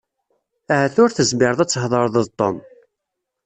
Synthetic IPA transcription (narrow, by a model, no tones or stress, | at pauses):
æʕəθʊɾθəzmɪɾðˤæt͡sːhðˤəɾˤðˤəðt̪ˤːo̰n